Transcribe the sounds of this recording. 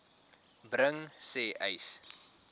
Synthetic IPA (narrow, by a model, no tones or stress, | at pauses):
brəŋsɛːʔəjs